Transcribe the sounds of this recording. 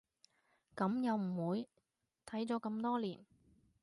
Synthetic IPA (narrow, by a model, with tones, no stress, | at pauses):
kɐ˨˥mjɐ˨˧wm̩˨˩wuː˨˧j | t̪ʰɐ˨˥jt͡sɔː˨˥kɐ˧mt̪ɔː˥liː˨˩n